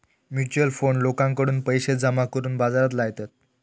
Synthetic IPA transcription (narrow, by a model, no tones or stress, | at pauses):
mjut͡ɕuəlfoɳlokãŋkəɽuːnpəjɕed͡zəmakəɾuːnbad͡zaɾat̪̬laɡt̪at̪̚